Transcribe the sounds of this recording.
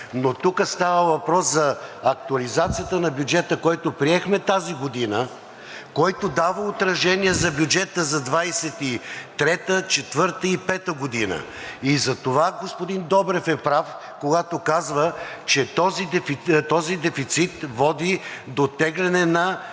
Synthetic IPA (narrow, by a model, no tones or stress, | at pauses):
not̪ukəst̪avəvɐpɾɔszɐɐk̚t̪uɐlizat̪sijət̪ənɐbʲjud͡ʒɛt̪əkɔjt̪opɾiɛxmɛt̪aziɡod̪inə | kɔjt̪od̪avəot̪ɾɐʃɛniɛzɐbʲjud͡ʒɛt̪əzɐd̪vajsɛt̪it̪ɾɛt̪ət͡ʃɛt̪vɤɾt̪əipɛt̪əɡod̪inə̰ | izɐt̪ovaɡospod̪ind̪ɔbɾɛfɛpɾaf | koɡat̪okazvət͡ʃɛt̪ɔzid̪ɛfit̪ɔzid̪ɛfit̪sit̪vɔd̪id̪ot̪ɛɡlɛnɛnɐ